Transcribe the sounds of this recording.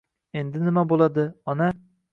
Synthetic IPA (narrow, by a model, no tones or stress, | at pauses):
end̪ɪnɪmabolˠɑd̪ɨɒnɑ